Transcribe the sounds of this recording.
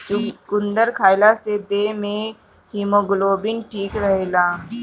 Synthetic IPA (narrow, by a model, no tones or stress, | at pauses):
t͡ʃʊkʊ̃nd̪əɾkʰaːɪlased̪eːmẽ | himoɡʊloːbɪnʈʰiːkɾəɦelaː